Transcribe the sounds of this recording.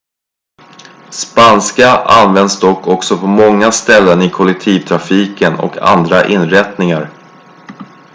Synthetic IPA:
spanskaʔa̰nvɛnd̪sd̪ɔkːɔksɔpʰɔmɔŋːast̪ɛlːənɪkʰɔlɛk̚t̪ʰiːvt̪ʰɾafiːkənɔ̰kʰa̰nd̪ɾaʔɪnɾɛt̪nɪŋaɾ

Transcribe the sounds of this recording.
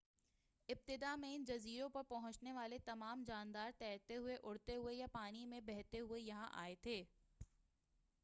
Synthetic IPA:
ɪb̚t̪ɪd̪amẽɪnd͡ʒɐziːɾõpɐɾpɐɦʊ̃t͡ʃneʋaːlet̪ɐmaːmd͡ʒaːnd̪aːɾt̪ɛːt̪eɦʊeʔʊɽt̪eɦʊejapaːnimẽbɛɦt̪eɦʊejɐɦãʔa̰ːet̪ʰeː

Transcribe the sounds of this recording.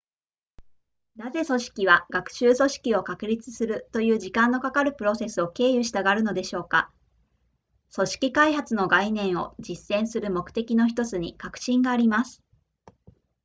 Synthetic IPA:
naze̞so̞ɕi̥kʲiβ̞aɡ̥akɯ̥ɕɨːso̞ɕi̥kʲio̞kakɯ̟ɾʲit͡sɨ̥sɨɾɯ̟t̪o̞jɯ̟ːʑikãnːo̞kakaɾɯ̟pɯ̟ɾo̞se̞sɨo̞ke̞ːjɯ̟ɕi̥t̪aɡaɾɯ̟no̞d̪e̞ɕo̞ːka | so̞ɕi̥kʲikaiɦat͡sɨno̞ɡainẽ̞ɰ̃o̞d͡ʑisːẽ̞ɰ̃sɨɾɯ̟mo̞kɯ̥t̪e̞kʲino̞çi̥t̪o̞t͡sɨɲ̟ikakɯ̟̥ɕĩŋɡaːɾʲimasɨ̥

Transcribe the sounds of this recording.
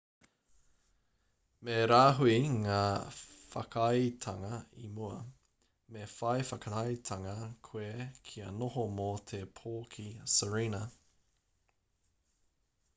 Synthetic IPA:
meɾaːɦuiŋaːfɐ̰kʰɐjtʰɐŋɐḭmuɐ | mefɐjfɐkɐɾɐjt̪ʰɐŋɐkʰwekʰiɐnohomot̪ʰepʰoːkʰisəɹiːnɐ

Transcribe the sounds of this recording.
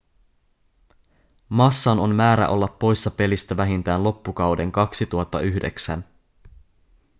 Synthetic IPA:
mɑsːɑno̞mmæːɾæ̰ʔo̞̰lːɑpːo̞jsːɑpe̞list̪æʋæɦint̪æːnlo̞pːukɑwde̞ŋkɑksit̪uɑt̪ːɑʔyhdeksæ̰n

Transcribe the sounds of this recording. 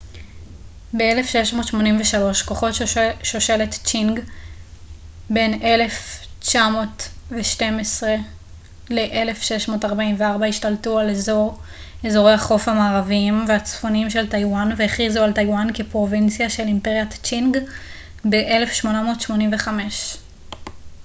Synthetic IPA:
beelefʃeʃmotʃmo̞nimveʃalo̞ʃko̞χo̞tʃʃoʃelett͡ʃiŋɡ | be̞ne̞le̞ft͡ʃamo̞tveʃte̞mesʁe | le̞ʔele̞fʃe̞ʃmo̞ːtaʁbaimveaʁbaiʃtaltualezo̞ʁ | ezo̞ʁe̞jhaχo̞fhamaːʁaviimveat͡sfo̞nimʃe̞ltajwanveeχizualtajwankepʁo̞vint͡sjaʃe̞limpeʁjat͡ʃinɡ | beʔele̞fʃmo̞namo̞ːtʃmo̞niɱveχame̞ʃ

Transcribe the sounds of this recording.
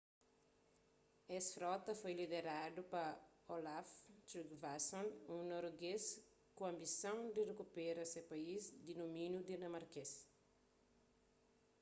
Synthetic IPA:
ɛsfɾɔt̪ɐfojlid̪eɾad̪upɐ | olaft̪ɾikvasõnũnoɾɡes | kũɐ̃mbisɐ̃w̃d̪irekupeɾɐsepaizd̪inomĩnjud̪inɐmaɾkes

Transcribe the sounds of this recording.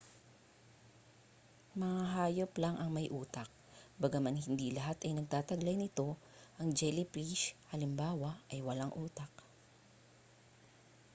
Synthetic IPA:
mɐŋaɦaːjoplaŋʔɐŋmɐjʔuːt̪ɐk̚ | bɐɡamanhɪnd̪ilɐɦat̪ɐjnɐɡ̚t̪aːt̪ɐɡlajnɪt̪o̞ʔɐŋd͡ʒɛlɪpɾiʃhɐlɪmbaːwaɐjwɐlaŋʔuːt̪ɐk̚

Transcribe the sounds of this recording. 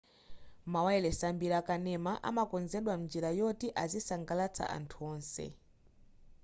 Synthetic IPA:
mawɛɛlɛsambiɾakanɛmaʔa̰makɔnzɛɗwam̩nd͡ʒiɾajɔtiʔazisaŋɡalat͡sʰa̰ʔa̰ntʰuɔːnsɛ̰

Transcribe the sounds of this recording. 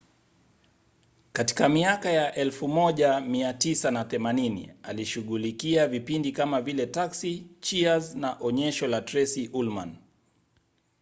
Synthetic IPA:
kati̥kamiakajaʔɛlfumɔʄamiatisanaθɛmaninḭaliʃuɠulikiavipindikamavilɛtaksit͡ʃiaznaʔɔɲɛʃɔlatɾɛsiʔulman

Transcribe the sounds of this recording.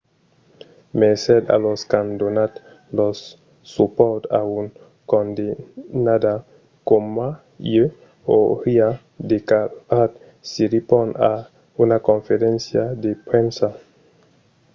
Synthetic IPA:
mɛsɛd̪a̰lɔskand̪onat̪ | lɔsː | upɔɾt̪aun | kɔnd̪inad̪a | komːa | jø | ohia | d̪ekaat̪ | siɾipɔna | unakɔnfeɾɛnsjad̪epɾɛnsa

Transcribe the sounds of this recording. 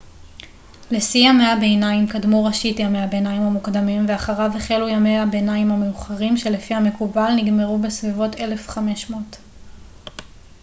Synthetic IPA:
lesiameabe̞ːnaimkadmuʁaʃitjameabenaimhamukdamimveaχaʁaveχelujamejabenaimhameuχaʁimʃe̞lefihame̞kubalniɡme̞ʁube̞svivo̞te̞le̞fχame̞ʃmot

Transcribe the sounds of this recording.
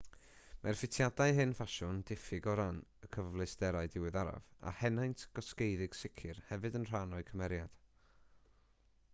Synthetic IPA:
mʔarfɪtʰjadaɨɦɨnfaʃʊnd̥ɪfɪɡɔɾanəkʰəvvlˠɨsd̥ɛɾaɨdɪwɨðaɾa̰va̰hɛnajntʰɡ̥ɔskejðɪɡ̥sɪkʰɪrhɛvɨdənr̥anɔɨkʰəmɛɾjad̥

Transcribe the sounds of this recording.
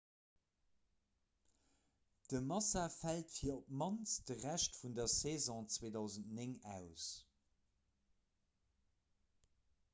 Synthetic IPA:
d̥əmɑsafæltfiːɐop̚mɑnsd̥əʁæʃtfundɐseːzɔ̃t͡sweːdɑʊzəntneŋæʊs

